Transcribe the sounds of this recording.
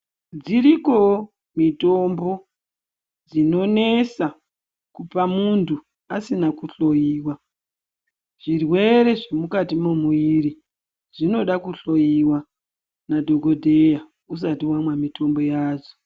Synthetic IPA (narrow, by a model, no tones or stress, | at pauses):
d͡ziɾiko̞ | mito̞mbo̞ | d͡zino̞ne̞sa | kupamuntʰu | asinakuɬo̞jiːwa | ʐ̥irwe̞ɾe̞ʐemukatimumuiɾi | ʐ̥ino̞ɗakuɬo̞jiwa | nadʱo̞ɡo̞dʱe̞ja | us̬atiwamwamito̞mbo̞jaːzo̥